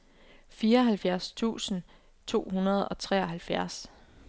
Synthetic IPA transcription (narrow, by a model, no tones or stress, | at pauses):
fiːɐɒ̽ɦælfjæɐst͡sʰṵːsn̩ | t͡sʰo̝̰ːɦunɐð̞̩ˠɒ̽t͡sʰʁɛ̰ɒɦælfjæɐs